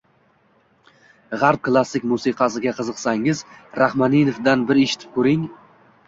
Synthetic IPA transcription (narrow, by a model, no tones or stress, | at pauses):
ʁaɾp̚klˠasːɪkʲmusiqʰɑsɪɡʲaqʰɨzɨqsaŋɪzɾahmaninofd̪anbɪɾeʃɪ̥t̪ʰɪ̥p̚kʰɵɾɪŋ